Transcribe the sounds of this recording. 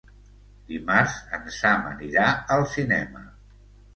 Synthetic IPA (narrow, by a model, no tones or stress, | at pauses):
d̪imaɾzənsamə̰niɾaəlˠsinɛmə